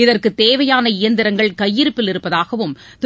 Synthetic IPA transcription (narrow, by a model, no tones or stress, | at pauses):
ɪðɐrkɯt̪ːeːʋɐjaːnɐɪjɐnd̪ɪɾɐŋɡɐɭkɐjːɪɾɯpːɪlɪɾɯpːɐðaːɣɐʋɯm | t̪